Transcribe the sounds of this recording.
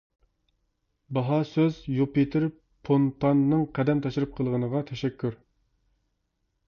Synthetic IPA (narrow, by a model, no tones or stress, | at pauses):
bɑɦɑsøz̥jupit̪ʰɪɾ | pʰont̪ʰɑnːɨŋqʰæd̪ɛmt̪ʰɑʃɾɨp̚qʰəlˠəʁənəʁɑt̪ʰɛʃɛkʲʰːyɾ